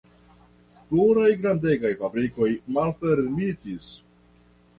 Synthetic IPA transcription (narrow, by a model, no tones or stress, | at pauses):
pluɾajɡɾandeɡajfabɾiko̞jmalpeɾmitis